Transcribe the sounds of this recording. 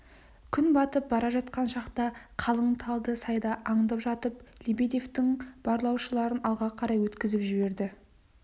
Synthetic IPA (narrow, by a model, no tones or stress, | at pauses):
kʲʰʏnbɑt̪əp̚bɑɾɑʒɑt̪qɑnʃɑqt̪ɑqʰɑlˠəɴt̪ʰɑlˠd̪əsɑjd̪ɑʔːɴd̪ɑpʒɑt̪əplʲibed̪eft̪ɪŋb̥ɑɾlˠɑwʃəlˠɑɾənɑlˠʁɑqʰɑɾɑjwɵt̪kʲɪzɪpʒɪbe̞ɾd̪ɪ